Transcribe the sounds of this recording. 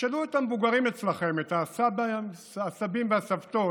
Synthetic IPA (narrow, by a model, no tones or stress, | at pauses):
ʃaluet̪amevuɡaʁimet͡slaχe̞metasabaː | sabimbeasavt̪o̞